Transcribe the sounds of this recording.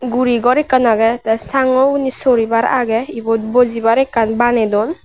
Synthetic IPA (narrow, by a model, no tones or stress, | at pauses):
ɡuɾiɡɔɾɛkːanaɡɛt̪ɛsaŋɔunisɔɾibaɾa̰ɡɛibɔt̪̚bɔzibaɾɛkːanbanɛd̪ɔn